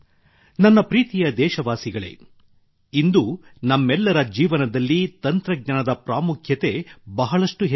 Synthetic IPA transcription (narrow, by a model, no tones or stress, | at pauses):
nɐnːɐpɾiːt̪ijɐd̪ɛːʃɐʋaːsiɡɐɭḛ | ind̪unɐmːɛlːɐɾɐd͡ʒiːʋɐnɐd̪ɐlːit̪ɐnt̪ɾɐɡ̚ɲɐnɐd̪ɐpɾaːmukʰjɐt̪e̞bɐɦɐɭɐʂʈuɦ